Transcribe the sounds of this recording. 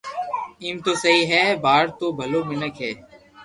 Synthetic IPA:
iːmt̪oːsəɦiːɦɛːbaːɾt̪oːbʱəloːmɪnəkɦɛː

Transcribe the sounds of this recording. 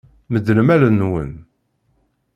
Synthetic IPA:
məd̪əlmælənːwə̰n

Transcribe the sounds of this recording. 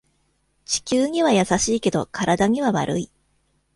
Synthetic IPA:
t͡ɕi̥kʲɨːɲ̟iβ̞ajasaɕiːke̞d̪o̞̰kʰaɾad̪aɲ̟iβaβa̰ɾɯ̰i

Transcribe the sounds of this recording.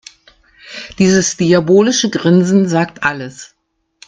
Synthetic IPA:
d̥iːzəsd̥iaboːlɪʃəɡʁɪnzn̩zaːk̚tʔaləs

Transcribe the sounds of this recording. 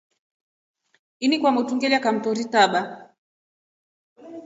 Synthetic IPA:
inikwamutuŋɡɛljakam̩tɔɾitaɓa

